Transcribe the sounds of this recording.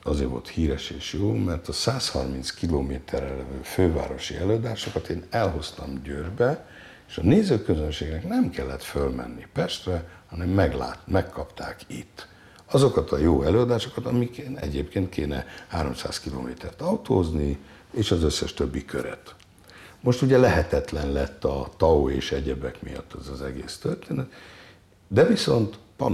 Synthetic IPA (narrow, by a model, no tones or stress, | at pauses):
ɒzeːɾvo̞̰lt̪hiːɾɛʃeːʃjoːmɛrt̪ɒsaːshɒ̰rmint̪skiloːmeːt̪ʰɛrɛlɛvøːføːva̰ːɾo̞ʃḭɛløːɒd̪aːʃo̞kɒt̪eːnɛlɦo̞st̪ɒmɟøːrbɛ | eːʃɒneːzøːkøzønʃeːɡnɛknɛmkɛlːɛt̪følmɛ̰nːipɛʃt̪vɛhɒnɛmːɛɡla̰ːmɛkːɒpt̪aːkit̪ː | ɒzo̞kɒt̪ʰɒjoːɛløːɒd̪aːʃo̞kɒt̪ɒmikenɛ̰ɟeːpkeːnt̪̚kʰeːnɛ̰haːɾo̞msa̰ːskilo̰ːmeːt̪ʰɛrt̪ɒut̪oːzni | eːʃɒzøsːɛʃt̪øbːikʰø̰ɾɛ̰t̪ | mo̞ʃt̪uɟɛlɛɦɛt̪ɛt̪lɛnlɛt̪ːɒt̪ɒoeːʃɛɟɛbɛkmḭjɒ̰t̪ːɛzɒzɛɡeːst̪ørt̪eːnɛt̪ | d̪ɛviso̞nt̪pɒ̰n